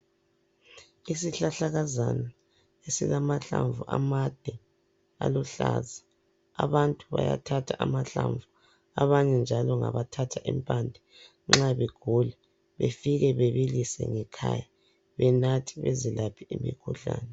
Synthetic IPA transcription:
isiɬaɬaɣazana | esilamaɬaɱvuʔamad̥ʱɛ | a̰luɬazaː | βantʼuβaja̰tʰatʰaʔamaɬaɱvu | aβaɲɛnd͡ʒʱalɔŋaβatʰatʰaʔimpʼandʱɛ | ŋ͡ǁaβeɡ̥ʱulɛ | βefiɣɛβeβilisɛ̰ŋɛkʰaja | βɛnatʰi̥βezilapʰiimḭkʰuɬaːnɛ

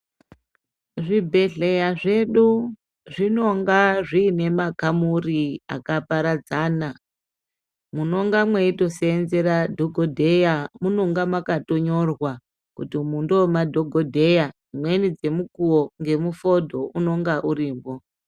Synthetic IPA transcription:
ʐibʱe̞ɮejaʐe̞ɗu | ʐino̞ŋɡaʐiːne̞makamuria̰kapaɾad͡zaːna | muno̞ŋɡamweito̞seːnze̞ɾadʱoɡʱodʱe̞jamunoŋɡamwakato̞ɲo̞rwa | kutimundo̞madʱo̞ɡʱodʱe̞jad͡zimwe̞nid͡ze̞mukuwoŋɡe̞mufo̞dʱo̞uno̞ŋɡaʔuɾiːmbo

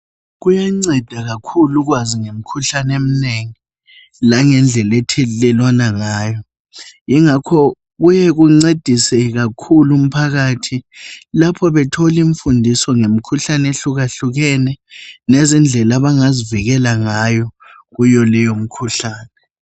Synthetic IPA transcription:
ɣujaŋ͡ǀɛd̥ʱaɣakʰuluɣ̬waziŋem̩kʰuɬanem̩neŋi | laŋɛnd͡ɮʱɛlɛtʰɛlɛlwanaŋaːjɔ | iŋakʰɔ | ɣujɛɣuŋ͡ǀed̥ʱisɛɣ̬akʰulum̩pʰaɣaːtʰilapʰɔβɛtʰoliɱfundʱisɔŋem̩kʰuɬaneɬuɣaɬuɣɛnɛnezind͡ɮʱɛlaβaŋaziviɣɛlaŋajɔ | ɣujɔlɛjom̩kʰuɬaːnɛ

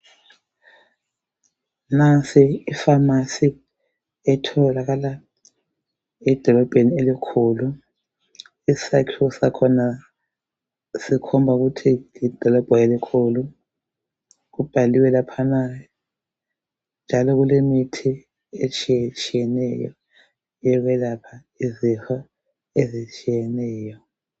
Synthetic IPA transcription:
nasiːfamasi | ɛtʰɔlaɣala | ɛd̥ʱɔlɔb̥ʱenielikʰulu | isakʰlɔsakʰɔna | sikʰɔmbʱaɣutʰilid̥ʱɔlɔb̥ʱɔelikʰulu | ɣub̥ʱaliwɛlapʰana | nd͡ʒʱalɔɣulemitʰi | et͡ʃʼit͡ʃʼijɛnɛjɔ̰ | jɛɣwɛlapʰa | izifa | ezit͡ʃʼijɛnɛːjɔ

